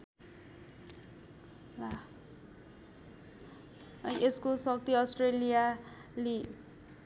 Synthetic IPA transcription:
a | ʌjʔeskosʌk̚t̪iʌsʈrelija | li

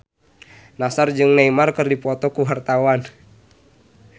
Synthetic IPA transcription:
nasard͡ʒɨŋnaimarkɨrdipɔt̪ɔkuɦart̪awan

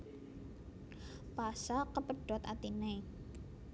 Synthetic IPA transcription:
pasakəpəɖ̥at̪at̪ine

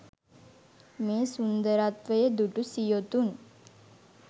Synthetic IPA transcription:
meːsund̪əɾat̪ʋəjəd̪uʈusijot̪un

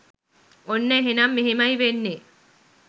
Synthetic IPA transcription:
onːɐɦinɐmːiɦimɐiʋenːe

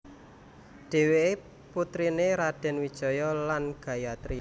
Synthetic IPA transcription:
ɖ̥e̤wee | put̪ɾineɾaɖ̥ɛ̤nwid̥ʒ̥ɔ̤jɔlanɡ̥ä̤jat̪ɾi

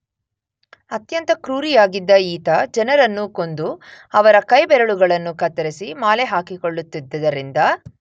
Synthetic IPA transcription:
ɐt̪jɐnt̪ɐkɾuːɾijaːɡid̪ːɐiːt̪ɐd͡ʒɛnɐɾɐnːuko̞nd̪uɐʋɐɾɐkɐjbɛɾɐɭuɡɐɭɐnːukɐt̪ːɐɾisimaːleɦaːkiko̞ɭːut̪ːid̪ːɐd̪ɐɾind̪ɐ

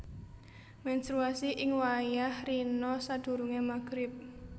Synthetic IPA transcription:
mɛnst̪ɾuasiʔɪŋwajahrinɔsad̪̥ṳɾuŋemaɡ̥ɾɪp̚

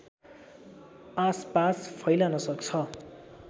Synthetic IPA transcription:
aspaspʰʌjlanʌsʌkt͡sʰʌ

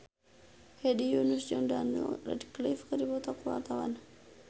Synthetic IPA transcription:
hedijunusd͡ʒɔndanṵɾa̰dklifkədibot̪akuwa̰rt̪awa̰n

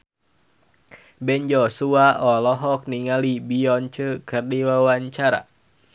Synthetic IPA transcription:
bɛnd͡ʒɔsuaɔlɔɦɔk̚niŋalibiɔnt͡ʃəkərdiwawaɲt͡ʃaɾa̰

